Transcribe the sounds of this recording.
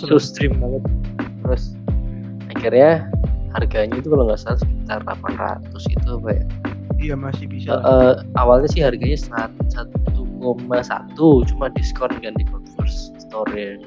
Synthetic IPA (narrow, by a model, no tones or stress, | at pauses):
sətust̪ɾɪmːaŋət̪̚t̪ɾʊs | akirɲaharɡaɲait̪ukalomasalasə̥kit̪ara̰pənɾa̰t̪ːʊsɡit̪uapaja̰jamasɪhbisəʔəʔawalɲasɪharɡaɲasəlat̪sat̪ukomasa̰t̪ut͡ʃumadiskɔrnɡandipɔt̪fɔrsst̪oɾi